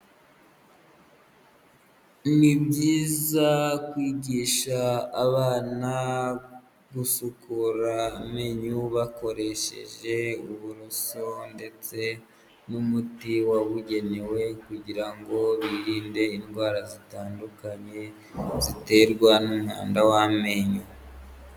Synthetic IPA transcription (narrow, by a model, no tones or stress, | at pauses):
nibɟiːzakwiːɟiːʃaːβaːna | ɡusukuɾameɲuβako̞ɾe̞ʃe̞̰ʒe̞uβuɾusonde̞t͡se̞ | numutiwaβuɟe̞ne̞we̞kuɟiɾaŋɡo̞βiɾiːnde̞inɡwaːɾazitaːndukaɲe̞ | zite̞ːɾɡwanumha̰ːndawame̞ɲu